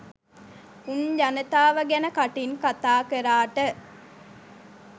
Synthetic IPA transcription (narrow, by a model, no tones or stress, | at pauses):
unʎɐnət̪aːʋəɡenəkaʈiŋkat̪aːkeɾaːʈə